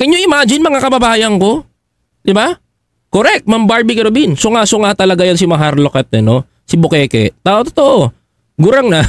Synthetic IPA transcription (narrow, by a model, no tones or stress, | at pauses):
kɐɲoʔɪmaːd͡ʒɪnmɐŋakɐbɐbaːjɐŋko̞ | d̪̥ɪba | koɾɛk̚t̪̚mɐmbaɹbikɛɾobinsoŋasoŋat̪ɐlɐɡajansimɐɦaɾlokɛt̪ːɛno | sɪbʊkɛːkɛ̰t̪aʔot̪ot̪oʔo | ɡʊɾaŋna